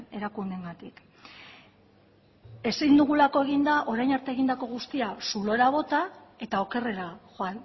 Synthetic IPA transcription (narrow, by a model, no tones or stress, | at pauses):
e̞ɾakund̪e̞ŋɡat̪ik | e̞sind̪uɣ̞ulako̞e̞ɣind̪aʔo̞ɾajnaɾt̪eɣind̪ako̞ɣ̞ust̪iasulo̞ɾaβ̞o̞t̪ae̞t̪ao̞ke̞re̞ɾaxoan